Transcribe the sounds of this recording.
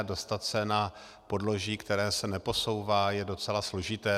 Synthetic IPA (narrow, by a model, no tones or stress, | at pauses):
do̞st̪at̪sɛna | po̞dlo̞ʒiːkt̪ɛɾɛːsɛnɛpo̞so̞wvaːjɛdo̞t͡sɛlaslo̞ʒɪt̪ɛː